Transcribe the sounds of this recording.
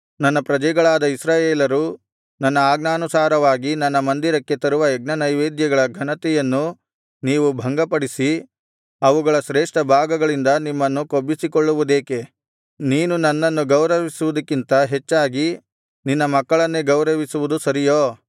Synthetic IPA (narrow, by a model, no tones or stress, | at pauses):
nɐnːɐpɾɐd͡ʒɐjɡɐɭaːd̪ɐisɾaːjeːlɐɾu | nɐnːɐaːɡ̚naːnusaːɾɐʋaːɡinɐnːɐmɐnd̪iɾɐkːe̞t̪ɐɾuʋɐɛɡ̚nɐnɐjʋeːd̪jɐɡɐɭɐɡʱɐnɐt̪ɛjɐnːu | niːʋubʱɐŋɡɐpɐɽisi | ɐʋuɡɐɭɐʃɾeːʂʈɐbʱaːɡɐɡɐɭind̪ɐnimːɐnːukobːisikoɭːuʋud̪e̞ːke | niːnunɐnːɐnːuɡɐwɾɐʋisuʋud̪ɐkːint̪ɐɦet͡ʃːaːɡi | ninːɐmɐkːɐɭɐnːeɡɐwɾɐʋisuʋud̪usɐɾijoː